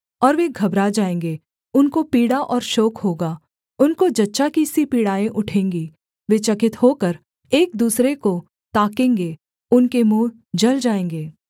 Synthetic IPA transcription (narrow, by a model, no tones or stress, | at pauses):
ɔːɾʋeɡʱɐbɾad͡ʒaːẽːŋɡeː | ʊnkopiːɽaʔɔːɾʃɔːkhoːɡaː | ʊnkod͡ʒɐtːʃakisipiːɽaːẽʔʊʈʰẽːŋɡi | ʋet͡ʃɐkɪt̪hoːkəɾ | eːk̚d̪uːsɾeko | t̪aːkẽːŋɡe | ʊnkemuː | d͡ʒɐld͡ʒaːẽːŋɡeː